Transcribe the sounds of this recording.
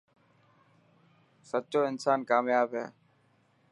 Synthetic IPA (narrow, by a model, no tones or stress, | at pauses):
səːt͡ʃoːɪnsaːnkaːmjaːbɦḛː